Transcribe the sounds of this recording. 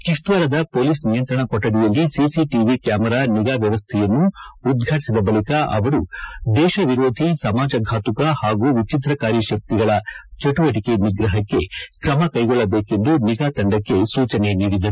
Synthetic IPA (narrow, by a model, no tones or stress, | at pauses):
kiʂt̪ʋɐɾɐd̪ɐpoːliːsnijɐnt̪ɾɐɳɐkɔʈːɐd̪ijɐlːisisiʈiʋikjaːmɐɾaːniɡaːʋjɐʋɐst̪ʰɛjɐnːuːd̪ɡʱaːʈi̥sid̪ɐbɐlikɐʔɐʋɐɾud̪ɛːʃɐʋiɾoːd̪ʱisɐmaːd͡ʒɐɡʱaːt̪ukɐhaːɡuːʋit͡ʃit̪ɾɐkaːɾjɐʃɐk̚t̪iɡɐɭɐt͡ʃɐʈuʋɐʈike̞niɡɾɐɦɐkːe̞kɾɐmɐkɐjɡɔɭːɐbeːke̞nd̪uniɡaːt̪ɐɳɖɐkːe̞suːt͡ʃɐne̞niːɽid̪ɐɾu